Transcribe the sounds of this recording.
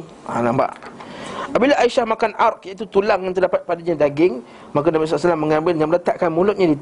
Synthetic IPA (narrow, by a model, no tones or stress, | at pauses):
a̰lamba̰ʔ | ʔapabilaaiʃahmakanʔarkjaʔit̪ut̪ulaŋːant̪ərdapat̪̚padiɲãdaɡɪŋ | mak̬anabis̬ɔlasalamːəŋãmbɪlɲãmələt̪aʔkanmulʊt̪̚ɲadit̪